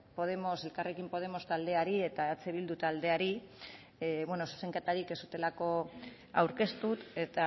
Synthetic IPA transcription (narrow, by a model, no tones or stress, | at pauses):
po̞ð̞e̞mo̞se̞lkare̞kimpo̞ð̞e̞mo̞st̪ald̪e̞aɾie̞t̪aet͡seβild̪ut̪ald̪e̞aɾi | βweno̞su̥se̞ŋket̪aɾike̞sut̪e̞lako̞ | awɾke̞st̪ut̪e̞t̪a